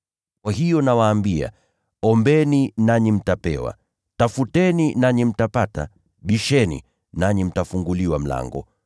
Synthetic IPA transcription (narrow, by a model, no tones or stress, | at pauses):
kwahijɔnawaːmbia̰ | ɔmbɛninaɲim̩tapɛ̰wa̰ | tafutɛninaɲim̩tapata̰ | ɓiʃɛnḭ | naɲim̩tafuŋɡuliwam̩la̰ŋɡɔ̰